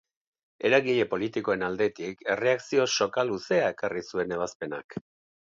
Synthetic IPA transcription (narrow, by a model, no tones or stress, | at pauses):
e̞ɾaɣiʎe̞po̞lit̪iko̞e̞nald̪e̞t̪ike̞re̞aksio̞ʃo̞kaluse̞aekarisue̞ne̞β̞aspe̞na̰k